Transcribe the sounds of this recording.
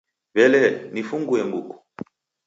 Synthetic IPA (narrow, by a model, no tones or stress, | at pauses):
βɛlɛnifuŋɡuɛmbuku̥